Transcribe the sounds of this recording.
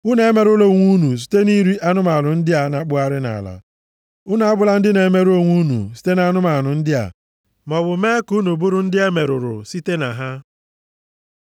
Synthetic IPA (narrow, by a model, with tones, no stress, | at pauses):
ʊ˦ne˨˦me˨ɾʊ˦lo˨ŋʷu˦nu˨s̬i̥˨te˦ni˦ɾi˦ʔa˦nʊ˦ma˨nʊ˨n̩˦dɪ˦a˨na˦k͡pʊ˦a˦ɾɪ˦na̰˨la̰˨ | ʊ˦na˨a˦bʊ˦la˦n̩˦dɪ˦ne˨˦me˦ɾo˦ŋʷu˦nṵ˨si̥˨˦te˦na˨˦nʊ˦ma˨nʊ˨n̩˦dɪ˦a̰˨ | mɔ˨bʊ˨me˦ku˦nu˨bʊ˦ɾʊ˦n̩˦dɪ˦e˦me˨ɾʊ˨ɾʊ̰˨si˦te˦na˨ɦa˦